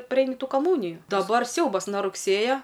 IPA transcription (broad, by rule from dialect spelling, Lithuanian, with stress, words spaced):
ˈpʲrʲɛɪnʲɪ ˈtuː kɐˈmuːnʲɪjʊ dɐˈbɐr ˈsʲɛʊbɐs nɐ rʊkˈsʲeːjɛ